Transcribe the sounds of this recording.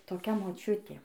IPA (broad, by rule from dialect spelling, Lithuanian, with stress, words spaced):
toːˈkʲɛ moːˈt͡ʃʲʊtʲeː